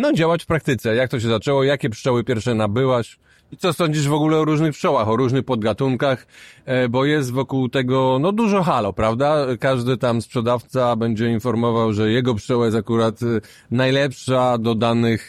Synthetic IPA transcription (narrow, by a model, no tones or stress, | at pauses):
nɔd͡ʑawat͡ɕfpɾakt̪ɘt̪sɛjak̚t̪ɔɕ̬ɛzat͡ʂɛwɔjakʲɛpʂɔwɘpʲjɛɾfʂɛnabɘwaɕ | it̪sɔsɔɲd͡ʑiʐvɔɡulɛɔɾuʐnɘxpʂɔwaxɔɾuʐnɘxpɔd̪̚ɡat̪uŋkaxbɔjɛst̪vɔkuwt̪ɛɡɔnɔd̪uʐɔxalɔpɾavd̪akaʐd̪ɘt̪amspʂɛd̪aft̪sabɛɲd͡ʑɛinfɔɾmɔvawʐɛjɛɡɔpʂɔwajɛst̪akuɾat̪ | najlɛpʂad̪ɔd̪anɘx